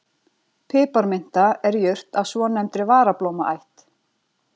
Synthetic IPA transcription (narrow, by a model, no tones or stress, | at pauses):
pʰɪːpaɾmɪn̥t̪aɛɾjœr̥t̪aðsvɔnɛmt̪ɾɪvaːɾaplowmaʔajht̪